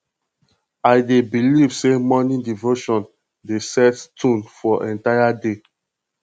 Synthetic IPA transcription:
aɪdebilivsemɔnĩdivoʃɔ̃n | desɛttʰũnfɔʔɛ̃ntajade

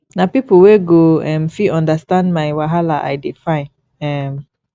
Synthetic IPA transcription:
napipəweɡoɛ̃mfiɔ̃ndəstãndmajwaɦalaʔa̰jdifãɪ̃n | ɛm

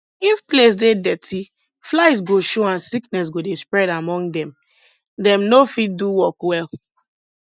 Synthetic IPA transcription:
ifples̬dedɛtʰi | flaɪs̬ɡoʃoãnsiknɛs̬ɡodespɹɛɾamɔ̃ŋɡdɛ̃m | dɛ̃mnofit̚duwɔkwɛl

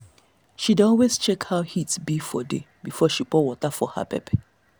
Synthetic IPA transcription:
ʃidɔlwezt͡ʃɛkhahitbifɔde | bifɔʃipɔwɔtəfɔ̰ha̰pʰɛ̰p

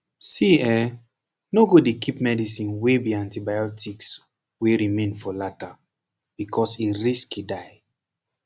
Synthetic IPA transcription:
siɛ | noɡodekipmɛdisĩnwebiãntibajɔtʰiks | weɾimẽnfɔlata | b̥ikʰɔsiɹiskidaj

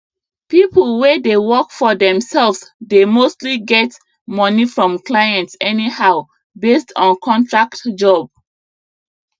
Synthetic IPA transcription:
pipəlˠwɛdewɔkfɔdɛ̃msɛlfsdemostliɡɛt | mɔnifɹɔ̃mklajɛ̃ntsɛnihaʊ | bestʰɔ̃nkʰɔ̃ntʰɹaktd͡ʒɔb̚

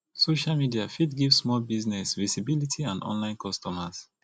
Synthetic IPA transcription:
soʃalmidiafidɡivsmɔlbiznɛsvizibilitʰiãndɔ̰̃nlãɪ̃nkʰɔstɔmas

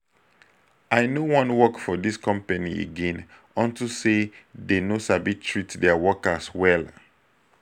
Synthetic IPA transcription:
aɪnowɔ̃nwɔkfɔdiskʰɔ̃mpaniḛɡẽn | ɔ̃ntusedenosabitʰɹitdɛawɔkaswɛl

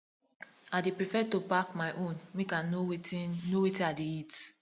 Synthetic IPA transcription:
adepɹifɛtobakmaɪʔõnmekãnowetinowetĩadeit

